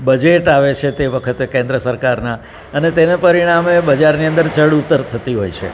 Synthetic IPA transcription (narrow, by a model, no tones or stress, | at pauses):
bəd͡ʒeʈaʋet͡ʃʰet̪eʋəkʰət̪ekẽnd̪ɾəsəɾkaɾna | ənet̪enepəɾiɽ̃amebəd͡ʒaɾniə̃nd̪əɾt͡ʃəɽut̪ːəɾt̪ʰət̪iɦojt͡ʃʰḛ